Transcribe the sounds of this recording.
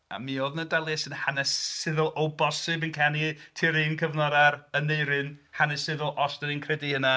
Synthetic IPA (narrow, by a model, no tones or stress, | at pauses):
a̰mioːðnədɛlˠjɛsɨnhanɛsɪðʊlˠʔowbɔsɨbɨnkʰanitʰiɾiːnkʰəvnɔɾaɾənːejɾɨnhanɛsɪðʊlˠʔɔsdəninkʰrɛdihəna